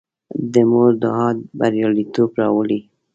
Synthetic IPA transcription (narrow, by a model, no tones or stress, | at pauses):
d̪əmoɾd̪əɦɑd̪̚baɾjɑlit̪obɾɑwəli